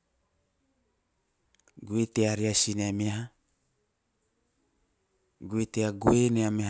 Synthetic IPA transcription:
ɡuit̪eaɾiasineameɦa | ɡuit̪eaɡueneameh

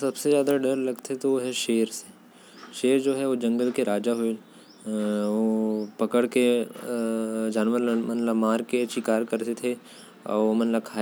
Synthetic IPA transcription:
sɐbsezjaːd̪aɖɐɾlɐɡt̪et̪oʋoɦɛʃeːəɾse̥ | ʃeːɾd͡ʒoːɦɛʋod͡ʒɐ̃ŋɡəlkeɾaːd͡ʒaɦoe | opɐkəɽke | d͡ʒaːnʋəɾmɐnləbmaːɾket͡ʃɪkaːɾkɐɾt̪et̪ʰe | ɔ̰ːomɐnləb̚kʰaː

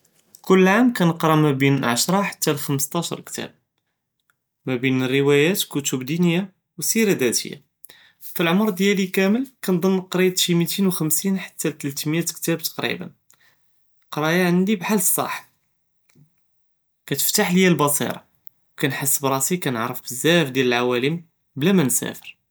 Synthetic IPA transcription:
kʊlːʕamkænəqɾˤɑmæbinlʕaʃɾˤɑħḁt̪ːælxəməst̪ˤɑʃɑ̰ɾˤkt̪æ̰b̚ | mæbinərːəwæjæt̪kʊt̪ubd̪inəjːa | wsiɾæd̪æt̪ə̰jːa̰ | filʕomɾˤd̪jælikæməlkænd̪ˤənːqɾit̪ʃimit̪inwxəmsinħḁt̪ːæt̪əlt̪mjæt̪kt̪æb̚t̪ɑ̥qɾḭbə̰n | qɾˤɑjaʕənd̪ibħalsˤːɑ̰ħ | kæt̪ə̥ft̪aħljælbɑsˤḭɾˤɑ̰ | wkænħəsːəbɾˤɑsikænəʕɾəfbəzːæfd̪jæləlʕawæləm | blæmænsæ̰fəɾ

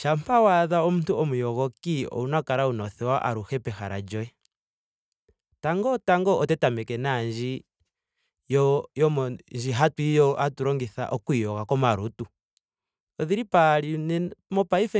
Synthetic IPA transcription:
ʃam̩pawaðaɔmutuɔmujɔɣɔkiɔ̰unakaɾaunɔθɛwaʔaɾuxɛpɛxaɾa̰d͡ʒɔɛ | taŋɡɔtaŋɡɔɔtɛtamɛkɛnaɲd͡ʒi | jɔjɔɲd͡ʒiɦatwijɔʔatuɾɔŋɡiθa̰ʔɔkuijɔɣakɔmaɾutu | ɔðiɾipaɾinɛmɔpaifɛ

